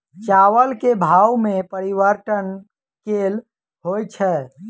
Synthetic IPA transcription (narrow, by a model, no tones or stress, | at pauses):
t͡ʃawəlkebʱawmepəɾiʋəɾʈən | kel | ɦojt͡ʃʰɛ